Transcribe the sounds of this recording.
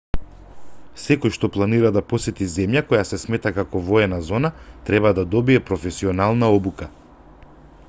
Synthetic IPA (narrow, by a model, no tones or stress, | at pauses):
sɛkɔjʃt̪ɔplˠaniɾad̪apɔsɛt̪izɛmjakɔjasɛsmɛt̪akakɔvɔɛnazɔnat̪ɾɛβad̪ad̪ɔbiɛpɾɔfɛsiɔnalˠnaɔbuka